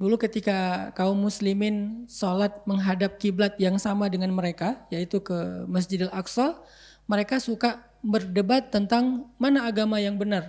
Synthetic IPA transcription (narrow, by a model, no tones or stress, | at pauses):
dulukət̪ikakaʊmːuslimɪnsolat̪̚məŋɦadap̚kiblat̪̚jaŋsamadəŋanməɾekajait̪ukəməs̬d͡ʒɪdɛlaksɔl | məɾekasuka | bərdəbat̪ːənt̪aŋmanaːɡamajaŋbənar